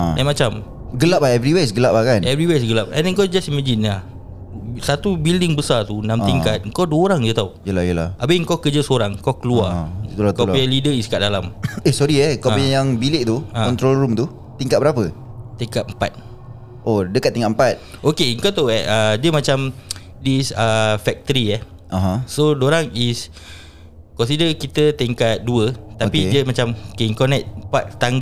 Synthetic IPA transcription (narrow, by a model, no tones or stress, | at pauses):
aamat͡ʃam | ɡəllap̚aɛvɾiwes̬ɡəlap̚akanɛvɾiwes̬ɡəlap̚ɛ̰̃ndɛŋkawd͡ʒasimad͡ʒinlah | sat̪ubildɪŋbəsat̪unãmt̪iŋkat̪̚ŋ̩kawduəoɾaŋd͡ʒət̪aujəlahjəlaʔabeŋkokəd͡ʒəsoɾaŋkɔkəluaulkɔialidəiskaʔ̚dalamesɔɾiɛkɔiajaŋbileʔt̪uãɔnt̪ɾolɾumt̪u | t̪iŋkat̪̚bəɾapət̪iŋkat̪̚mpa̰t̪̚ | ʔodəkat̪̚ːiŋka̰ʔm̩pat̪̚ʔokeŋkawt̪aɛʔadiəmat͡ʃam | dəisəfɛk̚t̪əɾiɛh | ʔaɦãsodoɾaŋis | kɔns̬idəkit̪ət̪iŋkat̪̚duət̪apidiəmat͡ʃamokeŋkanatmpat̪̚t̪aŋɡ